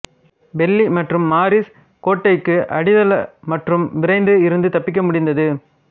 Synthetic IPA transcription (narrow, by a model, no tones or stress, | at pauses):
bɛlːimɐʈrɯmːaːɾɪs | koːʈːɐɪkːɯʔɐɽɪðɐlɐmɐʈrɯmʋɪɾɐɪnd̪ɯɪɾɯnd̪ɯt̪ɐpːɪk̬ːɐmʊɽɪnd̪ɐðɯ